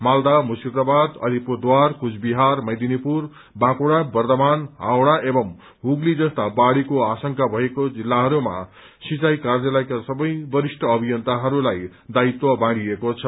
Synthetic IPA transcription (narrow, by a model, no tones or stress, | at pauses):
mald̪amusird̪abad̪ʌ̰d̪ʱipod̪warkut͡sʰbiɦarmʌjd̪inipur | bãkoɽabʌrt̪ʌmanɦawɽaʔebʌm | ɦuɡlid͡zʌst̪abaɽikoasʌŋkabʱʌekod͡zilːaɦʌɾuma̰ | sit͡sajkard͡zʌlajkasʌbʌjbʌɾisʈʰʌːbʱijʌnt̪aɦʌɾulaj | d̪ait̪wʌbãɽiekot͡sʰʌ